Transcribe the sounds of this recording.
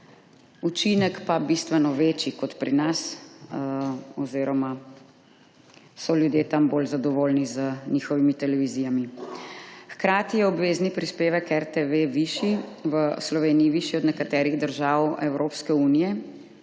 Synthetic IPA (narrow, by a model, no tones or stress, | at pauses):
ut͡ʃinɛkpabist̪ʋɛnɔʋet͡ʃikɔt̪pɾinas | ɔziːɾɔma | sɔljud̪jet̪ambolzad̪ɔʋoːlnizənixɔʋimit̪ɛlɛʋizijami | xkɾaːt̪ijɛɔbʋeːznipɾispeːʋɛkɛɾt̪eʋeʋiʃiʋəslɔʋeːniːʋiʃiɔd̪nɛkat̪ɛːɾiɣd̪əɾʒaːwɛwɾopskɛuːnijɛ